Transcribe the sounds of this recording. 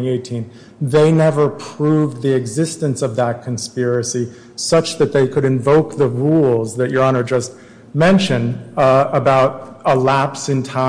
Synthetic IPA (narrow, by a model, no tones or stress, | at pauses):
ieɪtʰĩn | ðeɪnɛvə˞pʰɹ̥uvðiɨɡzɪstɨ̃nsʌvðət̚kʰɨ̃n̩spɪɹɨsi | sʌt͡ʃðɨt̪̚ðeɪkʰɨɾɨ̃ɱvoʊk̚ðəɹulˠzðɨt͡ʃə˞ɑñə˞d͡ʒʌst̚ | mɛ̃nʃɨ̃nəbaʊɾəlæpsɨ̃ntʰã